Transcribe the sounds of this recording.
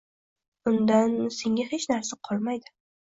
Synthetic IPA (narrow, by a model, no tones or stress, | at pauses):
ʊnd̪anse̞ŋʲahet͡ʃnaɾsaqʰɒlˠmajd̪ɪ